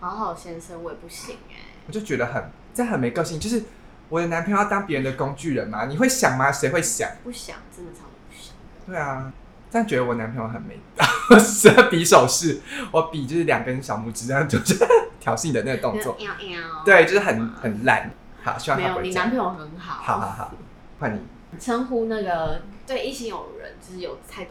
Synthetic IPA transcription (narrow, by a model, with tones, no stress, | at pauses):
hɑ˧˥ʊxɑ˨˩ʊɕjɛ˥nsʰə˥nwɔ˧˩jɛ˨˩pu˥˩ɕi˨˩˦ŋḛ˧˩wɔ˨˩t͡ɕjo˥˩ʊt͡ɕɥɛ˧˦d̪ə˧xə˨˩n˥˩xə˨nme˧˥ɪkɑ˥˧ʊɕi˥˧ŋt͡ɕjo˥˧ʊʂ̬ɻ̩˥˩ | wɔ˨˩d̪ə˦na˧˦npʰi˧˥ŋ˥˨˩jɑ˥˩t̪ɑ˥ŋpjɻə˧˦nd̪ə˨ko˦ŋt͡ɕy˥˨˩ɻə˨˦nma˨ni˨˩xwe˥˩ɪɕjɑ˨˩ŋma˦ʂe˧ɪxwe˥˩ɪɕjɑ̰˨˩ŋpu˥˩ɕjɑ̰˨˩ŋt͡sə˥˩mə˨˩ɑ˧˦˥ʂə̥˨˩tt̪we˥˩ɪa˨˩ | t͡ɕə˥˩t͡ɕɥɛ˧˦d̪ə˧wɔ˨˩na˧˦npʰi˧˥ŋwxə˨˩nme˧˥ɪkɑ˨˩spi˨˥ʂo˨˩ʊʂɻ̩˥˩wɔ˨˦pi˨˩t͡ɕo˥˧ʂɻ̩˥˩ljɑ̰˨˩ŋkə˦˥nɕjɑ˨˩ʊmu˨˩ʈ͡ʂɻ̩˧˥˧ŋt͡ɕo˥˧ʊʂ̩˥˩t̪ʰjɑ˨˥ʊɕi˥˩ŋd̪ə˩na˥˩ɡə˩t̪o˥˧ŋt͡swɔ˥˨˥t̪we˥˩ɪt͡ɕjo˥˧ʊʂɻ̩˥xə˨˩nxə˨˩nla̰˨˩n | hɑ̰˨˩˦ɕi˧˥wŋa˥˨˧a˧˥npʰĩ˧˦ŋwɔ˨˩xə˧˦nxɑ˨˩˦hɑ˨˩ʊxɑ˨˩xɑ̰˨˩ʊ | kwa˥˩nːḭ˨˩ | t͡sʰə˥ŋxu˥na˥˩ɡə˩t̪we˥˧ɪi˥˩ɕʰi˧˥ŋjo˨˩ʊɻə̰˧˦nt͡ɕo˧˥ʂ̩˥˩jo˨˩ʊt̪ʰa˥˩ɪt̪